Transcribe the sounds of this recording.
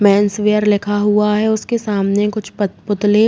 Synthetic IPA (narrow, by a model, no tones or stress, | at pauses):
mɛ̃ːnsʋeːəɾlɪkʰaɦuaɦɛʊskesaːmnekʊt͡ʃʰpʊt̪le